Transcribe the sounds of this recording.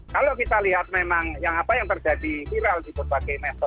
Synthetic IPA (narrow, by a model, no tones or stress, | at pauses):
kalokit̪aliɦat̪̚memaŋjaŋapajaŋt̪ərd͡ʒ̥adifiɾalikʊt̪̚pakɛjmɛsɔt̪